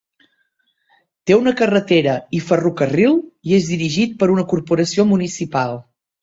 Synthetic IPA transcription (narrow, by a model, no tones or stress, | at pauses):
t̪eunəkərət̪eɾəifərukərilˠiezðiɾiʒit̪̚pəɾunəkuɾpuɾəsiomunisipalˠ